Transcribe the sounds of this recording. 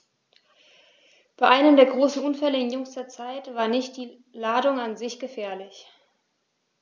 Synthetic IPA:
b̥aɪʔaɪnəmdeːɐɡʁoːsn̩ʔʊnfɛləɪnjʏŋstɐɐt͡saɪtv̥aːɐnɪçt̚d̥iː | laːdʊŋanzɪçɡ̥əfɛːɐlɪç

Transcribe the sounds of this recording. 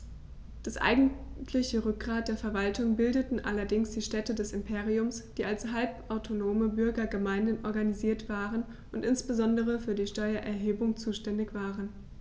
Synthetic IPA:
d̥asʔa̰ɪɡŋ̩tʰlɪçəʁʏk̚ɡ̥ʁaːt̚d̥eːɐfɛɐvaltʰʊŋbɪldətn̩ʔalɐdɪŋsd̥iːʃtɛtədɛsɪmpʰeːʁiʊmsd̥iːalshalpʔaʊtʰonoːməbʏɐɡɐɡəmaɪndənʔɔɐɡaniziːɐtv̥aːʁən | ʔʊntʔɪnsb̥əzɔndəʁ̞əfyːɐdiːʃtɔʏɐʔɛɐɦeːbʊŋt͡suːʃtɛndɪçv̥aːʁən

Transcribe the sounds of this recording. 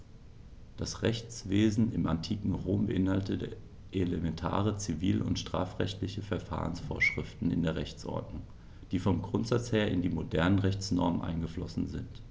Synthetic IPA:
d̥asʁɛçt͡sv̥eːzn̩ɪmantʰiːkŋ̩ʁoːmbəʔɪnhaltə | ʔelemɛntʰa̰ːʁət͡siviːlʔʊ̰ntʃtʁ̥a̰ːfʁ̥ɛçtlɪçəfɛɐfa̰ːʁənsfoːɐʃʁ̥ɪftn̩ɪ̰ndeːɐʁɛçt͡sʔɔ̰ɐdnʊŋ | d̥iːfɔmɡʁʊntz̥at͡sheːɐɪ̰ndiːmodɛɐnənʁɛçt͡snɔ̰ɐmənʔa̰ɪnɡəflɔsn̩zɪnt

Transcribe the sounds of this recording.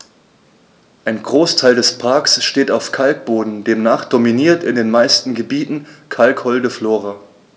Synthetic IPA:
ʔaɪnɡʁoːstʰaɪldɛspʰaɐksʃteːtaʊfkʰalk̚b̥oːdn̩deːmnaːχd̥ominiːɐtɪndeːnmaɪstn̩ɡəbiːtn̩kʰalkhɔldəfloːʁa

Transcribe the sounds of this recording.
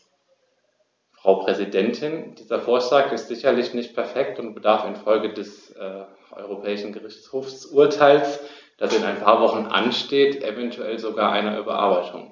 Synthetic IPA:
fʁ̥aʊpʁ̥ɛzidɛntʰɪnd̥iːzɐfoːɐʃlaːkɪstz̥ɪçɐlɪçnɪçt̚pʰɛɐfɛk̚tʊntb̥ədaɐfɪnfɔlɡədɛs | ʔɔ̰ʏʁopʰɛːɪʃn̩ɡəʁɪçt͡shoːfsʔuɐtʰaɪls | d̥asɪnaɪnpʰaːɐvɔχn̩ʔa̰nʃteːtʔɛvɛntʰuɛlzoɡaːɐʔaɪnɐʔyːbɐ̰ʔa̰ɐbaɪtʰʊ̰ŋ

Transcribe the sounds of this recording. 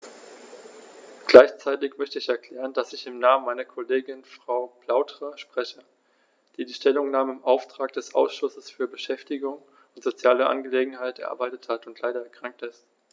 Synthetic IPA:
ɡ̥laɪçt͡saɪtɪçmœçtəɪçɛɐkʰl̥ɛːʁ̞əndasɪçɪmnaːmənmaɪnɐkʰoleːɡɪnfʁ̥aʊpl̥aʊtʁ̥əʃpʁ̥ɛçə | d̥iːdiːʃtɛlʊŋnaːməɪmʔaʊftʁ̥aːk̚d̥ɛsʔa̰ʊsʃʊsəsfyːɐbəʃɛftɪɡʊŋ | ʊntz̥ot͡sjaːləʔa̰nɡəleːɡŋ̩ɦaɪtɛɐ̰ʔa̰ɐbaɪtəthatʊntʰlaɪɾɐɛɐkʁ̥aŋk̚tɪst

